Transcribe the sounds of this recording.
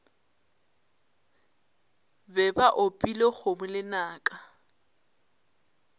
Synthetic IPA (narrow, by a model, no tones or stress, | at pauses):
bɛbaʔʊpʼilɔk͡xomʊlɪnaːkʼa